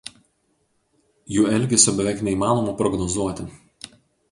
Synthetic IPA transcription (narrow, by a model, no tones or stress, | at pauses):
juːɛlʲˑɡʲɛsʲoːbʲɛʋʲɛˑɪknʲɛimɑːnoːmɐpɾɔɡnɔzuɔt̪ʲɪ